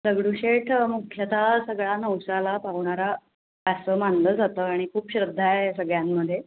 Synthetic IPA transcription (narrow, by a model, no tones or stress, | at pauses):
səɡɽuɕeʈmukʰjət̪asəɡɭanəwsalapaʋɳaɾa | pasəːmanləːd͡zat̪əːaɽ̃ikʰuːpɕɾəd̪ʱːajsəɡɭjamːəd̪ʱːje